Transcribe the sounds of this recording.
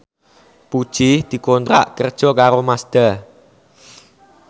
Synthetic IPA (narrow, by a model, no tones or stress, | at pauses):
pud̥ʒ̥ɪhd̪̥i̤kɔnt̪ɾa̰ʔkərd̥ʒ̥ɔ̤kaɾomasd̪̥a